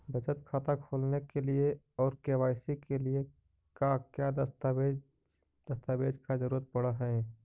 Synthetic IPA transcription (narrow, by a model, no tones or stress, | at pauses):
bʱət͡ʃət̪kʰaːt̪akʰoːlnekelie | ɔːɾkewaːɪsikelie | kakjad̪t̪e | d̪̥əst̪aːbeːd͡ʒkazəɾuːɾət̪̚pəɽəɦɛ̃ː